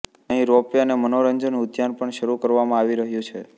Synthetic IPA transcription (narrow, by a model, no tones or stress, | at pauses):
əɦĩɾopjanemənoɾəɲd͡ʒənʊt̪janpəɳʃəɾukəɾʋamãaʋiɾəɦjũt͡ʃʰe